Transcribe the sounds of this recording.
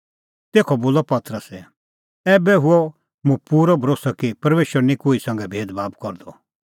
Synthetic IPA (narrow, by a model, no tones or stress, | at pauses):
t̪eːkʰɔboːlɔpɐt̪ɾəsɛ | ɛːbɛɦʊɔ | mũpuːɾɔbʱɐɾoːsakipɐɾmeːʃəɾnĩkoːisɐ̃ŋɡɛbʱeːd̪baːbkɔɾd̪ɔ